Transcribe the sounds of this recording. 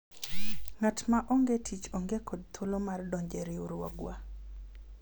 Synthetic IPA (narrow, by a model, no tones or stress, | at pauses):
ŋatmaʔoŋɡetʰit͡ʃoŋɡekʰɔd̚t̪ʰolomardɔɲd͡ʒeɾɪuɾwɔ̰ɡwa̰